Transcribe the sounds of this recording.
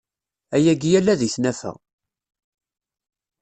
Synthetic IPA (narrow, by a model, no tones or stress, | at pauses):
æjæɡjælːæðiθnæfæ̰